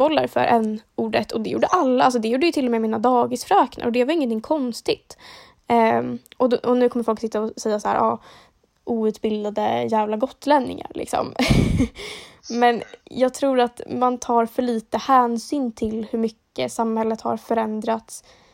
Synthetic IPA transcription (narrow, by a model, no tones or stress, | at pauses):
bɔlːa̰ɾfœ̰ɾʔɛnːuːɖət̪ʰːɔd̪ɛjṵːɖəʔalːaʔalsɔd̪ɛjuːɖəjɵt̪ɪlːɔmɛjmiːnad̪ɑːɡɪsfɾœːkna̰ɾɔd̪ɛvaɾɪŋːənt̪ʰɪŋːkʰɔnst̪ɪt̪ː | ʔɔdɔnʉ̟ːkʰɔməɾfɔlksɪt̪ːaɔsɛjːasahæ̰ːɾʔɑ̰ː | ʔuːʉ̟t̪bɪld̪ad̪əjæːvlaɡɔt̪ːlɛnːɪ̰ŋa̰ɾlɪ̰ksɔ̰m | mɛnjɑːɡ̚t̪ʰɾuːɾat̪mant̪ʰɑːɾfœɭiːt̪əhæːnsyːnt̪ʰɪlhɵɾmʏkːəsamhɛlːət̪ha̰ɾfœɾɛnd̪ɾat̪s